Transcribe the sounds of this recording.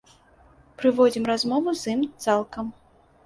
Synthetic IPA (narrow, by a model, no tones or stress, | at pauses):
pɾɨvɔd͡zʲimrazmɔvuzimt̪salˠkɐm